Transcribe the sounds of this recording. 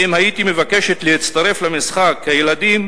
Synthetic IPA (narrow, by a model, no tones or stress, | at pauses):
imhajit̪ime̞vake̞ʃet̪leit͡st̪aʁe̞flamisχakhajeladim